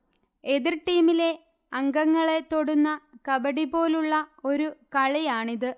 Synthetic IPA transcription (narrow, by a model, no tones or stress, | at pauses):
eðirʈiːmile̞ | ɐŋɡɐŋːɐɭe̞t̪ːo̞ɽunːɐkɐbɐɽipo̞ːluɭːɐo̞ɾukɐɭɐjaːɳiðɨ